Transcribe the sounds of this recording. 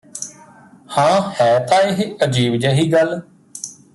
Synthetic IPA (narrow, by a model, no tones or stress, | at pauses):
hãːhɛːt̪ãːɪɦəd͡ʒiːbd͡ʒeːɦiːɡəl